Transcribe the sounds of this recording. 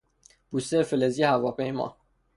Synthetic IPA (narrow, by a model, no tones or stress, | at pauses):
b̥ust̪efelezijehævɒːpʰejmɒ̰ː